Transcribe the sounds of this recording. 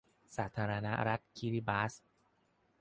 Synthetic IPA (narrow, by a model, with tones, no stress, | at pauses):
saː˩˦t̪ʰaː˧ɾa˧na̰˦˥ɾa˦˥t̪̚kʰi˦ɾi˦˥baː˦˥s